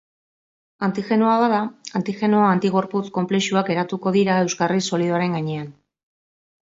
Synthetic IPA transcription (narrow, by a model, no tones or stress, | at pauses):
ant̪ixe̞nuaβaðaant̪ixe̞noaant̪iɣo̞ɾput͡sko̞mple̞ʃuake̞ɾat̪uko̞ð̞iɾaewskariso̞liðoaɾe̞ŋɡaɲe̞an